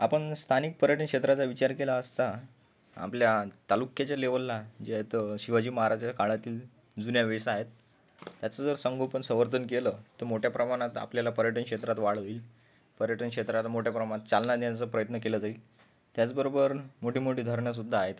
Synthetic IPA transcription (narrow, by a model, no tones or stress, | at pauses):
apəɳst̪ʰanik̚pəɾjəʈʰənkʂet̪ɾat͡saʋit͡ɕaɾkelaəst̪a | a̰pljat̪alukjat͡ɕjaleʋəlːad͡ʑet̪ɕiʋad͡ʑiːməɦaɾad͡ʑaakaɭat̪iːl | d͡zunjaʋesːɦet̪ː | jat͡səd͡zəɾsəŋɡʱopəɳsə̃ʋəɾt̪ənkeləːt̪əɾmoʈʰjapɾəmaɽ̃at̪a̰pljalapəɾjəʈənkʂet̪ɾat̪ʋaɭʋiːl | pəɾjəʈənkʂet̪ɾat̪moʈʰjapɾəmaɽ̃at̪̚t͡salnad̪jat͡səpɾəjət̪nəkeləːd͡zail | t̪jat͡sbəɾobəɾmoʈiːmoʈiːd̪ʱəɾɳjas̬ud̪ʱːaːɦet̪